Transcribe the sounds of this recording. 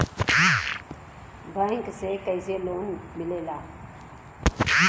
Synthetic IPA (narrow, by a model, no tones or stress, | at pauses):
baĩŋksekəizeloːnmɪlela